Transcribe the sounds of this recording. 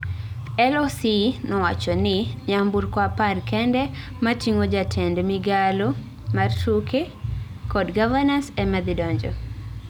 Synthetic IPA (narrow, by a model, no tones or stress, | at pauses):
ɛlosinɔwat͡ʃɔnɪɲamburkwaparkɛndɛ | matiŋod͡ʒatʰɛndmiɡalo | martuke | kɔdɡavanasɛmad̪idɔɲd͡ʒɔ̰